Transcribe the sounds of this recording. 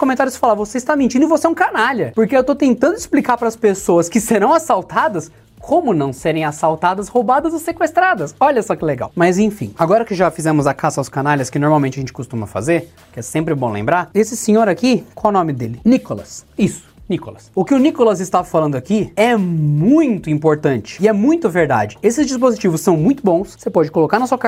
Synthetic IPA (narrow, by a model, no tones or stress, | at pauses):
kõmẽt̪aɾjʊsɪ̥falaɾvoseɪst̪amĩnt͡ʃĩnd̪ʊɪvosɛũkanaʎɐpoɾkeewt̪ot̪ẽnt̪ɐ̃nd̪ʊɪsplikaɾpɾɐspesoɐskɪseɾɐ̃w̃asawt̪ad̪ɐs | kʰõmʊnɐ̃w̃seɾẽj̃asawt̪ad̪ɐshobad̪ɐzosekwest̪ɾad̪ɐsɔʎɐsɔkɪɛleɡa̰wmɐzẽfḭ̃aɡɔɾɐkɪʒafizɛ̃mʊzɐkasɐawskanaʎʲɐskɪnoɾmawmẽnt͡ʃɪɐʒẽt͡ʃɪkost̪ũmɐfa̰zeɾ | kɪɛsẽmpɾɪbõlḛ̃mbɾaɾesɪsẽɲoɾakikõɐnõmɪd̪elɪnikolɐ̰sisʊ̥nikolɐsʊkɪʊnikolɐzɪst̪avɐfalɐ̃nd̪ʊakiɛmmũj̃t̪ʊĩpoɾt̪ɐ̃nt͡ʃɪ̥ɪɛmũj̃t̪ʊveɾd̪a̰d͡ʒɪesɪzd͡ʒispozit͡ʃivʊssːɐ̃w̃mũj̃t̪ʊbõw̃ssepɔd͡ʒɪkolokaɾnɐsuɐk